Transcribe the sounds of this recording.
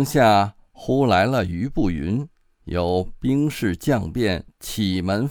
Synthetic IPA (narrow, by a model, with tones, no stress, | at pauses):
ŋɕja˥˩ | xu˥la˧˥ɪlə˧y˧˥pu˥˩y˧˥n | jo˨˩ʊpi˥ŋʂɻ̩˥˧t͡ɕjɑ˥˧ŋpjɛ˥˩nt͡ɕʰi˨˩mə˧˥n